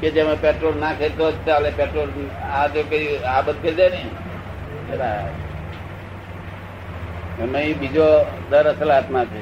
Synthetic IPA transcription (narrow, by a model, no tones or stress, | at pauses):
ked͡ʒemãpeʈɾolnakʰet̪ot͡ʃalepeʈɾolad͡ʒokəiabət̪̚kəd̪enəĩ | t͡ʃʰeɾa | emə̃ĩbid͡ʒod̪əɾəsəlat̪mãt͡ʃʰe